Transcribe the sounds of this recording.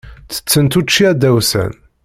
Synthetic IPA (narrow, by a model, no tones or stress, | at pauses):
t͡sːə̥t͡sːənt̪ut͡ʃːiæd̪æwsæ̰n